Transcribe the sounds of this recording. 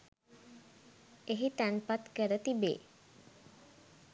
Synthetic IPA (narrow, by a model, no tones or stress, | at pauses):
eɦit̪ænpat̪kəɾət̪ibḛː